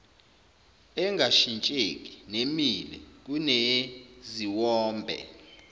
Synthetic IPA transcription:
ɛŋɡʱaʃint͡ʃʼek̬ʼi̥nemilɛ̰k̬ʼuneziwɔːmbʱɛ̰

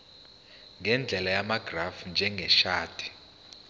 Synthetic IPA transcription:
ŋɡʱɛnd͡ɮʱɛlajamaɡrafnd͡ʒʱɛŋɡʱɛʃaːd̥ʰʱʼi̥

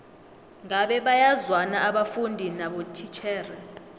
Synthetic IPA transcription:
ŋaɓɛɓajazwanaʔaɓafundʱinaɓotʰit͡ʃʰɛːrɛ

